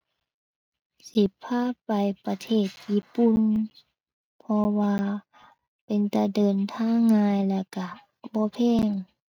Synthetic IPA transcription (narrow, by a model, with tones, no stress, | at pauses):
si˨˧˦pʰːaː˧˥˩pa˨jpa˧t̪ʰeː˧˩t̪̚jiː˧˨pu˧˨n | pʰɔ˧waː˧ | pe˨nt̪a˧dɤː˨nt̪ʰaː˧˥˨ŋŋːaː˧jla˧˩ka˧˩˨ | bɔː˧˦pʰɛː˧˥˩ŋ